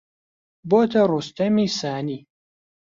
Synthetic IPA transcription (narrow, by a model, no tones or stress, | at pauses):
boːt̪ʰɐrust̪ɐmiːsaːniː